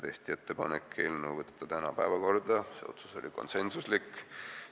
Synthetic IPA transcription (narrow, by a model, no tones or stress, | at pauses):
t̪e̞st̪iet̪ːe̞pɑnekːˑelnuvɤt̪ːˑe̥t̪ːˑɑt̪ænɑpæevɑko̞rd̪̥ɑsḛo̞̰t̪su̥so̞̰lʲiko̞̰nse̞nsuslikː